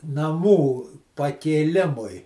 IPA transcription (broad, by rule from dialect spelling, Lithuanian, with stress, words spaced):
nɐˈmuː pɐkʲeːˈlʲɪmʊɪ